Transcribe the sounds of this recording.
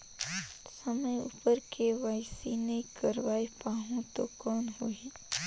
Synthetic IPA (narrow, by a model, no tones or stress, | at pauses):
sɐməjṵpəɾkʰeʋaːɪsinekɐɾʋaːipaːɦũt̪okɔːnɦʊiː